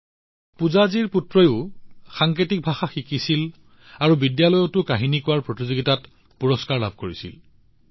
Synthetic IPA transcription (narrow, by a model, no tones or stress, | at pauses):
puzaziɹputɹɔjʊxaŋketik̚bʱaxaxikisil | aɹubidjalɔjɔtʊkaɦinikʊwaɹpɹɔtizoɡitat | puɹɔskaɹla̰b̚ʱkoɹisḭl